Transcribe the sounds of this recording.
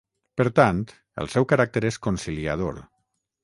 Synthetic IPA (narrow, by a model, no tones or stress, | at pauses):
pəɾt̪ant̪ | ə̰lˠsɛwkəɾak̚t̪eɾeskonsiliað̞o̰ɾ